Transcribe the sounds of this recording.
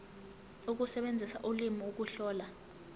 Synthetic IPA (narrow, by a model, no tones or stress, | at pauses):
uk̬usɛɓend͡zʱisa̰ʔulimiuk̬uɬɔːla